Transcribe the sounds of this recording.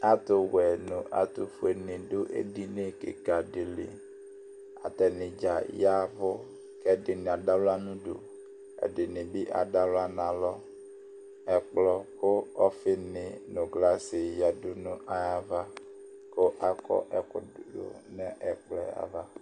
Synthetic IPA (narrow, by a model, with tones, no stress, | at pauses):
a˦t̪o˦wɛ˨nõ˨ʔa˨t̪o˨fu˦e˨nɪ̃˨ɖo˦ʔḛ˦ɖi˦nẽ˦kḛ˨ɡa˨ɖe˨lḛ˨ | a̰˨t̪ɛ˨nɪ̃˨d͡ʒa˨ja˦vo˦ | kɛ˦dɪ˨nẽ˨a˨ɖa˦lo˦a˦nũ˦ɖo̰˨ | ḛ˨ɖe˨nɪ̃˨bi˦ʔa̰˨ɖa˦lo˦a˦nã˨lɔ˦ | ɛ˨k͡plɔ˦ko˦ɔ˦fɪ˦nɪ˨nõ˨ɡla˦se˨ja˨do˦nũ˦ʔa˨ja˦va˦ | ko˦ʔa˦kɔ̰˦ʔɛ˨ko˨do̰˨nɛ̃˦ʔɛ˨k͡plɛ˦˨a̰˨va˦